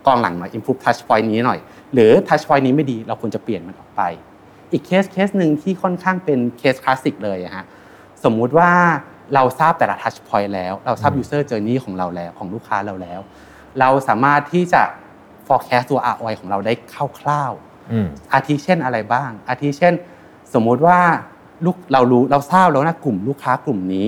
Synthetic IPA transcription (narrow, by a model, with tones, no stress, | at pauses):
k̪ɔː˧nla̰˩˦ŋnɔ˨˩jʔi˧mpʰuː˦˥p̚t̪ʰa˦˥t͡ɕʰpʰɔ˧jniː˦˥nɔ˨˩j | ɾɯː˩˦t̪ʰa˦˥t͡ɕpʰɔ˧jniː˦˥ma˥˩jdiː˧ɾa˧wkʰu˧ənt͡ɕa˨˩pli˨˩ənma˧nʔɔː˨˩k̚pa˧j | ʔiː˨˩kʰːeː˦˥skʰeː˦˥s̚nɯ˧ŋt̪ʰiː˥˩kʰɔ˥˩nkʰaː˥˩ŋpe˧nkʰeː˦˥skʰlaː˦˥si˨˩k̚lɤː˧jʔa˨˩kʰa˦˥ʔ | so˩˦mːu˦˥t̪̚waː˥˩ | ɾa˧wsaː˥˩p̚t̪ɛː˨˩la˧t̪ʰa˦˥t͡ɕʰpʰɔ˧jlɛː˦˥wɾa˧wsaː˥˩p̚juː˧sɤː˥˩t͡ɕɤː˧niː˥˩kʰɔː˩˦ŋɾa˧wlɛː˦˥wkʰɔː˩˦ŋluː˥˩kʰːaː˦˥ɾa˧wlɛː˦˥w | ɾa˧wsa̰ː˩˦maː˥˩t̪ʰːiː˥˩t͡ɕa˨˩ | fɔː˧kʰɛː˦˥st̪u˧ɐʔa̰ː˧˩ʔɔː˧jkʰɔː˩˦ŋɾa˧wdaː˥˩jkʰa˥˩wkʰlaː˥˩w | ʔaː˧t̪ʰiː˦˥t͡ɕʰe˥˩nʔa˧ɾa˧jbaː˥˩ŋʔaː˧t̪ʰiː˦˥t͡ɕʰe˥˩n | so˩˦mːu˦˥t̪̚waː˥˩ | luː˥˩k̚ɾa˧wɾuː˦˥ɾa˧wsaː˥˩p̚lɛ˦˥wnaː˥˩klu˨˩mluː˥˩kʰːaː˦˥klu˨˩mniː˦˥